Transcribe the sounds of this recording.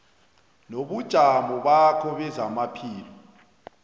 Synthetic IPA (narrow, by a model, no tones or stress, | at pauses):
noβud̥ʒ̥ʱamɔβakʰɔβɛzamapʰiːlɔ